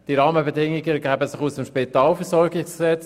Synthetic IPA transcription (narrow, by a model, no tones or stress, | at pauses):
d̥iɾɑːməbɛdɪŋːɪɡəɡæːbəsɪχusəmʃpitaːlfɛɾsɔɾɡɪksksɛt͡s